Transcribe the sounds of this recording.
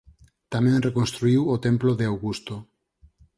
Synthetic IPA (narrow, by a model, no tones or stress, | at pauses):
t̪amɛ̃ŋrekonst̪ɾuiwot̪emploðeawɣust̪o